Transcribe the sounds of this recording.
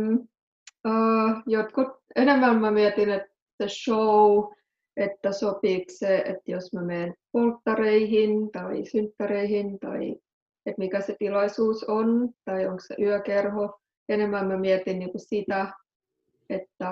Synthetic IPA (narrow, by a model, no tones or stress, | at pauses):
əːjot̪kut̪̚enemːæmmæmiɛt̪inet̪ | seʃou | et̪ːæsopiːkseḛt̪josmæmeːnpolt̪ːɑreihint̪ɑisynt̪ːæreihint̪ɑ̰i | et̪mikæset̪ilɑisuːsont̪ɑioŋkssḛʔyœkerho | enemːæmmæmiɛt̪inniːkusit̪æ | et̪ːæ